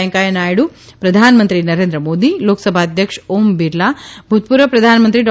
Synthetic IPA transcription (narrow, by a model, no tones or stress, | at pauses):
ŋkajənajɽu | pɾɐd̪ʱanmənt̪ɾinɐɾend̪ɾəmoːd̪iloːksəbʱaːd̪ʱjəkʂoːmbiɾlabʱut̪̚puɾəpɾɐd̪ʱanmənt̪ɾiɖ